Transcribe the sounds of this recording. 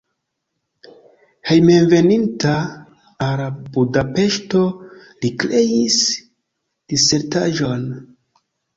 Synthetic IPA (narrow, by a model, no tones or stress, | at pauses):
hejmenve̞nintaː | ɾabudape̞ʃto̞likɾe̞jis | d̥ise̞ɾtaʒo̞n